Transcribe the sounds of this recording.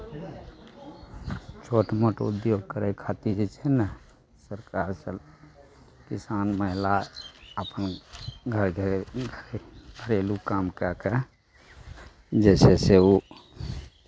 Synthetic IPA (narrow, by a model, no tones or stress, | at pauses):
t͡ʃʰoʈməʈṵd̪joɡ̚kəɾɛkʰat̪id͡ʒɛt͡ʃʰɛnə | səɾkaɾsə | kisanməɦilaəpənɡʱəɾʱ | bʱəɾelukamkake | d͡ʒɛːseseu